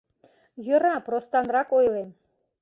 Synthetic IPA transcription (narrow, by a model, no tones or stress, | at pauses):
jə̆ɾɑprost̪ɑnrɑkojlem